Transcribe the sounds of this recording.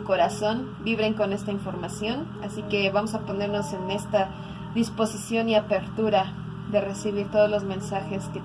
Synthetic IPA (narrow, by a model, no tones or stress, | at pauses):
ko̞ɾaso̞nbiβɾe̞ŋko̞ne̞st̪aiɱfo̞ɾmasjo̞n | asike̞βamo̞sapo̞ne̞ɾno̞se̞ne̞st̪a | ðispo̞sisjo̞niape̞ɾt̪uɾa | ðe̞re̞siβ̞iɾt̪o̞ð̞ozlo̞zmẽ̞nsaxe̞ske